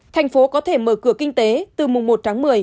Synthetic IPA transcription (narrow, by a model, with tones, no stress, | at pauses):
t̪ʰɛ˨˩jŋ̟fo˨˦kɔ˨˦t̪ʰe˧˩məː˧˩kɨ˧˩əkï˧ŋ̟t̪e˨˦t̪ɨ˨˩mʊ˨˩ŋ͡mmo˨˩t̚t̪ʰaː˨˦ŋmɨ˨˩əj